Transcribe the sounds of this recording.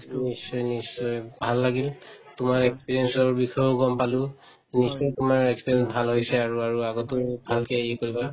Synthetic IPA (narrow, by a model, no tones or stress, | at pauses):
nisːɔjnisːɔjbʱalːaɡiltʊmaɹɛkspiɹiɛnsɔɹbixʰɔbɔɡɔmpalʊ̃ | nisɔjtʊmaɹɛkspiɹjɛnsbʱalɦojsɛaɹuaɹuaɡɔtʊɹbʱalkɛikoɹiba